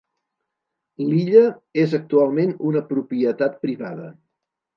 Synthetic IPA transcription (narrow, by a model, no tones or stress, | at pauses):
liʎəezək̚t̪ualˠmenunəpɾupiət̪at̪̚pɾiβaðə